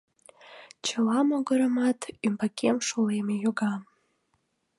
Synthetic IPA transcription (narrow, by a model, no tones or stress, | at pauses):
t͡ɕəlɑmoɣəɾəmɑt̪ymbakʰemʃolemejoɣɑ